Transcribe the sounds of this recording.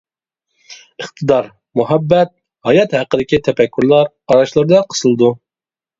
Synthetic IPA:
ɨχt̪ʰɨd̪ɑɾ | muɦɛbːɛt̪̚ | hɑjɑt̪hæqəd̪ɪkʲit̪ʰɛfɛkʲʰːyɾlˠɑɾ | ɑɾɑʃlˠɨɾɨd̪ɑqʰə̥sɨlˠd̪u

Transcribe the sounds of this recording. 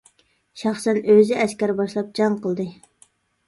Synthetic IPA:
ʃɑχsɛnøzɪɛskʲæɾbɑʃlˠɑp̚d͡ʒɑŋqʰəlˠd̪ɨ

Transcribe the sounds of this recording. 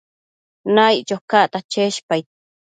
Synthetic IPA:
najt͡ʃokaʔt̪at͡ʃeʃpaj

